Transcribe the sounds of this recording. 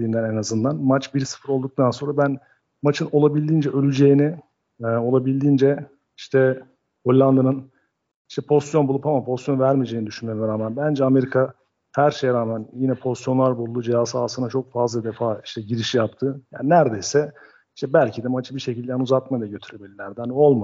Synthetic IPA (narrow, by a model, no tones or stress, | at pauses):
d̪iːnd̪ænenazɯnd̪anmat͡ʃbiɾsɯ̥fɯɾo̞lˠd̪uk̚t̪ʰanso̞nɾabæn | mat͡ʃʰɯno̞lˠabilʲd̪iːnd͡ʒɛʔø̞lʲyd͡ʒe̞jinɪ | o̞lˠabilʲd̪iːnd͡ʒɛ | iʃt̪ʰɛ | holʲːˠand̪ɯnɯn | iʃt̪ʰɛpʰo̞st̪jo̞nbulˠupamampʰo̞st̪jo̞nvæɾmid͡ʒeːnid̪yʃynømɾaːmænbænd͡ʒɛame̞ɾikʰa | hæɾʃe̞jɛɾaːmænjinɛpʰo̞st̪jo̞nlˠaɾbulˠd̪ud͡ʒejasaːsɯnat͡ʃʰo̞k̚fazlˠad̪efaːi̥ʃt̪ʰɛɟiɾiʃijapt̪ʰɯja̰ːninæɾd̪e̞jsɛ | iʃt̪ʰɛbælʲcʰid̪ɛmat͡ʃʰɯbiʃe̞cilʲd̪ɛnuzat̪̚mad̪aɟø̞t̪ʰyɾebilʲilʲæɾd̪æhano̞lˠma